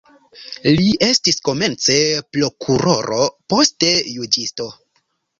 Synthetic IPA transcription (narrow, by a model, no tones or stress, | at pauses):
liʔe̞stisko̞me̞nt͡se̞plo̞kʰuɾo̞ɾo̞po̞ste̞jud͡ʒisto̞